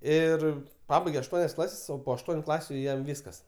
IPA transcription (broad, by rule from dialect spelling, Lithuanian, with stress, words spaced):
ˈɪr ˈpɑːbɐɪɡʲeː ɐʃˈtuɔnʲɛs ˈklˠɑːsʲɛs oː poː ɐʃˈtuɔnʲʊ ˈklˠɑːsʲʊ ˈjɛm ˈʋʲiːskɐs